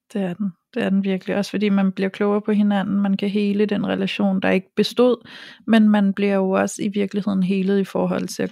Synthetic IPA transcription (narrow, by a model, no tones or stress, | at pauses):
d̥e̝æɐd̥end̥e̝æɐd̥enʋiɐɡ̥əliʔɒ̽sfɒ̽d̥ḭːmænb̥liɐkʰlɔʊɐpʰɒ̽ɦe̝næn̰n̩mænkʰæɦe̝ːləd̥enʁɛlæɕo̝̰ːnd̥ɑ̈e̝ɡ̥əb̥e̝sd̥o̝ð̞̰ˠmenmænb̥liɐjoɒ̽səiʋiɐɡ̥lihe̝ð̞̰ˠn̩ɦe̝ːlð̞̩ˠifɒːɦɒ̽l̰t͡sʰe̝æ